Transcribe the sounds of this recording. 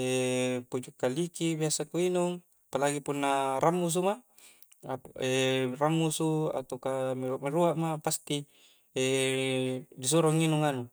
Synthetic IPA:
epud͡ʒukːalikibiasakuinuŋ | apalaɡipunːaɾʔamːus̬uma | aperamːusua̰t̪okamiɾuaʔmeɾuaʔmapast̪i | e | dis̬uɾoŋinuŋanu

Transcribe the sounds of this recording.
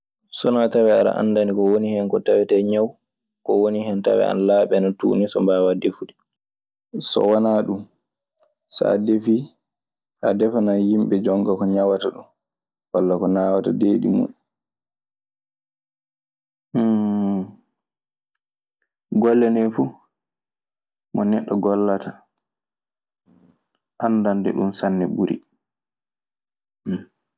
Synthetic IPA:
sɔnɔatawɛaɾa̰ʔa̰nːdanikɔwonihɛnkɔtawɛtɛɲaw | kɔwoniɦɛnta̰wɛ̰a̰nalaːɓɛnatṵːnisɔ̰mbaːwadefuɗi | sɔ̰wanaːɗum | sa̰ːdefi | ʔadɛfanajimɓɛd͡ʒɔŋɡakɔɲawataɗum | walːakɔnaːwata̰deːɗḭmṵn | ɡɔlːɛnɛfu | mɔnɛɗːɔɡɔlːata | ʔandandɛ̰ɗumsanːɛbuɾḭ

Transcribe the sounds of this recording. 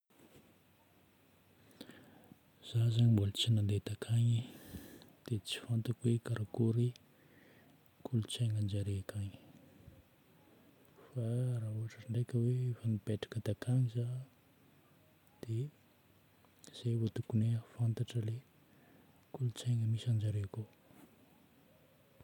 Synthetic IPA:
z̥azaɲimbolət͡sinand̪ed̪akʰaɲi | d̪̥et͡si̥fant̪akwekaɾakuɾi | kʰulut͡sajŋand͡ʒaɾeakaɲi̥ | farauɦaʈ͡ʂəɳɖ͡ʐekʲəweefanib̥eʈ͡ʂḁkəd̪akʰaŋiza | d̪̥e | z̥evot̪ukunefant̪aʈ͡ʂəle | kulut͡sajŋəmisand͡ʒaɾeako

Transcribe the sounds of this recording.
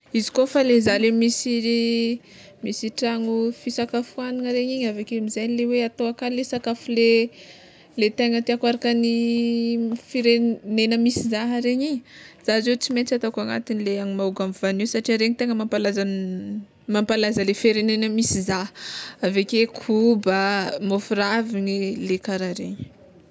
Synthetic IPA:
izi̥kofalezalemisi | misiʈ͡ʂaŋufisakafuaniŋəɾeɲiɲavekemizajnleweat̪oakanlesakafule | let̪eŋət̪iakwaɾakəni | fiɾenenəmisizaɦɾeɲiɲəz̥azet͡siment͡sat̪akaŋa̰t̪inileaŋimauɡamvanisaʈ͡ʂiaɾeɲit̪eŋəmampalazan | mampalazəlefeɾenenəmisizaavekekʰubəmofuraviɲilekaɾaɾḛɲə̥

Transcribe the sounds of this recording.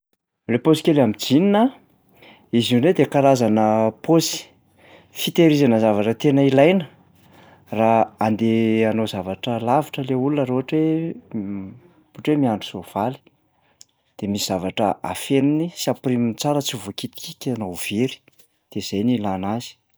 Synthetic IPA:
leposi̥kʲelamid͡zininə | izuned̪ekaɾazanəposi̥ | fit̪eɾizanəzavaʈ͡ʂət̪enəilajnə | raand̪eanozavaʈ͡ʂəlavaʈ͡ʂəleulunaɾoɦaʈ͡ʂwe | poʈ͡ʂwemiaɳɖ͡ʐusov̥ali̥ | d̪̥emisiz̥avaʈ͡ʂəa̰feninisiaprimint͡saɾət͡sivokit̪i̥kikʲanov̥eɾi̥ | d̪̥ez̥ajnilanazi̥

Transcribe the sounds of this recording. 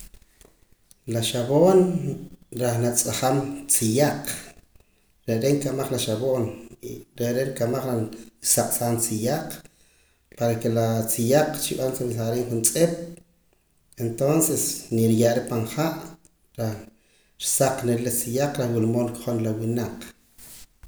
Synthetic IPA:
laʃaβoːn | ɾaχnat͡sʼaχamt͡sijaq͡χ | ɾeɾeŋkamaχlaʃaβoːnɾeʔɾeʔɾkamaχɾasaqʼsaːnt͡sijaqʼ | paɾakelat͡sijaq͡χt͡ʃiɓant͡samsaɾeːŋχunt͡sʼeɓ̥ | ent̪onsesniɾjaʔɾepaɴχaʔ | ɾa | ɾsaq͡χnellat͡sijaq͡χɾahwilmoːnkχonlawinaq

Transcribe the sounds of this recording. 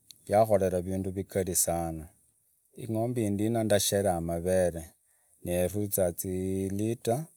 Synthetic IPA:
jaxo̞leɾaβiːnduβikalisaːna | ḭŋoːmbindinandaʃeɾaːmaβeɾe | nerut͡sat͡silita

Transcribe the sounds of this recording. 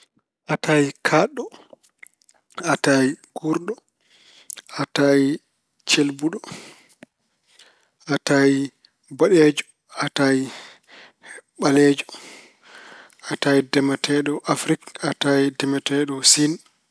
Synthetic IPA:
ʔatajikʰaɗɔ | ataiɡ̥uɾɗɔ | ʔatai | t͡ʃelbuɗɔ | ʔataji | baɗɛd͡ʒɔ̥ | ataji | ɓalɛd͡ʒɔ̥ | ʔatajidɛmɛtʰɛɗɔʔafɾikataidɛmɛtɛɗɔsin

